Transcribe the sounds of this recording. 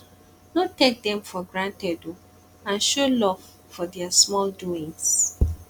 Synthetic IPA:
notek̚d̪ɛ̃mfɔɡɹãntɛdo | ãnʃolɔv | fɔdɛasmɔlduĩŋs

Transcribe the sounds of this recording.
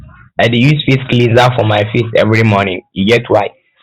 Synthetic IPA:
aɪdjusfisklĩnzafɔmaɪfistɛ̰vɹimɔnɪ̃ŋiɡɛtwaɪt

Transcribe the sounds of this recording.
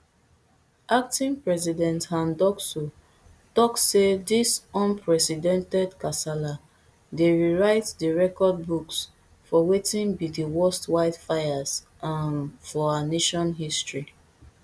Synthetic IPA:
ʔak̚tĩŋpɹɛzidɛ̃nthãndɔkso | tɔkssedisɔ̃npʰɹɛsidɛ̃ntɛdkasala | deɹiɹaɪtdəɹɛkɔd̚buks | fɔwetĩnbidiwɔstwaɪdfajaz | ʔãnfɔaneʃɔ̃nɦistɹi

